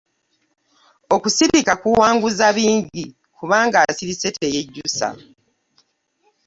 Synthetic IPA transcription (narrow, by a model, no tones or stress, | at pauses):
o̞kusiβikakuwaːŋɡuzaβiːɲɟi | kuβaːŋɡaːsiɾisetejeɟːusa̰